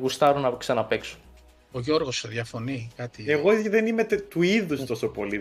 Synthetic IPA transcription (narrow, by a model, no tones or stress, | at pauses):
ɣust̪ɐɾunɐksɐnɐpe̞kso̥ | oʝo̞ɾɣoseðjɐfo̞nikɐt̪ieɣo̞ðenimet̪uiðust̪o̞so̞po̞li